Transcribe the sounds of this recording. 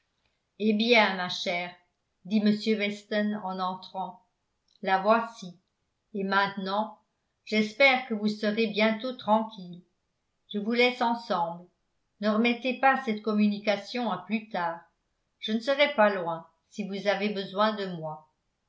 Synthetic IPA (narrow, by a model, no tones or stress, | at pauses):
ebjɛ̃maʃɛːʁ | d̪iməsjøwɛst̪ɔnɑ̃nɑ̃t̪χɑ̃ | lavwasi | emɛ̃t̪nɑ̃ | ʒ̥ɛspɛʁkəvusəʁebjɛ̃t̪ot̪χɑ̃kʲil | ʒ̥əvulɛsɑ̃sɑ̃bl | nəʁəmɛt̪epasɛt̪kɔmynikasjɔ̃aplyt̪aːʁ | ʒ̥ənəsəʁɛpalwɛ̃ | sivuzavebəzwɛ̃d̪əmwa